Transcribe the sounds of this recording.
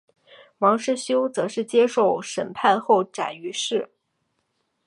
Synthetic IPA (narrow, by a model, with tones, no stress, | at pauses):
wɑ˧˥ŋʂɻ̩˥˩ɕjo˥ʊt͡sɤ˧˥ʂɻ̩˥˩t͡ɕjɛ˥ʂo˥˩ʊʂə˨˩npʰa˥˧nxo˥˩ʊʈ͡ʂa̰˨˩ny˧˥ʂɻ̩˥˩